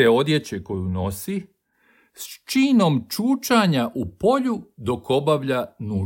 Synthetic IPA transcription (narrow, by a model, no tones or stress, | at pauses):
eo̞d̪je̞t͡ɕe̞ko̞juno̞si | st͡ʃiːno̞mt͡ʃuːt͡ʃaɲaʔupo̞ʎud̪o̞ko̞baʋʎanuː